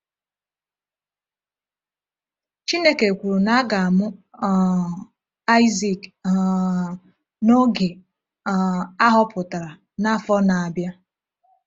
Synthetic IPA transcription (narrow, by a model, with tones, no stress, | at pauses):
t͡ʃi˦ne˦ke˨kʷu˨ɾu˨na˦ɡa˨a˨mʊ˦˨ | a˦ɪ˦zi˦˨k | no˦ɡe˨ | a˦ɦɔ˦pʊ˨ta˨ɾa˨ | na˦fɔ˦na˨a˨bja˦